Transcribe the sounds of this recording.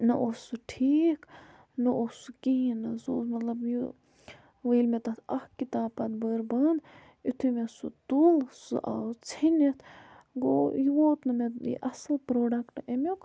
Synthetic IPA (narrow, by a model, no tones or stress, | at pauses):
nɨʔosɨʈʰiːk | nɨʔosɨkinɐso̰ːsmɐt̪lɐbju | ʋəilmet̪ɐt̪ɐhkit̪ãːpɐt̪bəːɾbɐːn | it̪ʰumesɨt̪ulsɨ̰ʔa̰t͡sʰinʲet̪ʰ | ɡojiʋoːt̪nɨmet̪ḭʔɐslpɾoːɖɐkʈemʲok